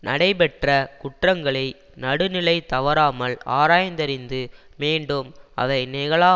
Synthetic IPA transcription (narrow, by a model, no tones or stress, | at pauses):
nɐɽɐɪpɛʈrɐkʊʈrɐŋɡɐɭɐɪ | nɐɽɯnɪlɐɪt̪ɐʋɐɾaːmɐla̰ːɾaːjɐnd̪ɐɾɪnd̪ɯ | meːɳɖɯmɐ̰ðɐɪnɛɣɐɭaː